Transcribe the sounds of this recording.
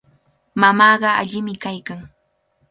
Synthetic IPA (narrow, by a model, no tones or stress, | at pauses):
mamɑːɢɑa̰ʎɪmɪkajkaŋ